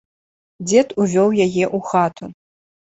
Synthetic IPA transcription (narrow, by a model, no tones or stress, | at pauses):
d͡zʲɛt̪uvʲɔwjajɛʔuxat̪ʰu